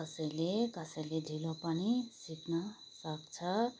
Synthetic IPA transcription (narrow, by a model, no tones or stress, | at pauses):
kʌsʌjlekʌsʌjled̪ʱilopʌnisiknʌ | sʌk̚t͡sʰʌ